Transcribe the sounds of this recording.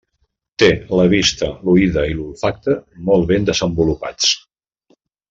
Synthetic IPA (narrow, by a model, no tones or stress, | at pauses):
t̪eləβ̞ist̪əluiðəilulˠfak̚t̪əmɔlˠβend̪əzəmbulupa̰t͡s